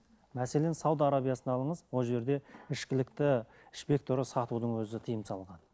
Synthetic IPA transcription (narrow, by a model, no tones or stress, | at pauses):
mæse̞le̞nsɑwd̪aɾabijasənɑlˠəɴəzwo̞lˠʒe̞ɾd̪e̞ɪʃkʲɪlɪk̚t̪ɪ | ɪʃpe̞k̚t̪oɾəsɑt̪ud̪əɴwɵzɪt̪ʰijəmsɑlˠʁɑn